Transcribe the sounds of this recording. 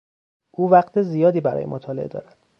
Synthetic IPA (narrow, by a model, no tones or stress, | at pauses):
ʔuːvæqt̪ʰezijɒːd̪iːbæɾɒ̰ːjḛmot̪ʰɒːlḛḛd̪ɒ̰ːɾæd̪̥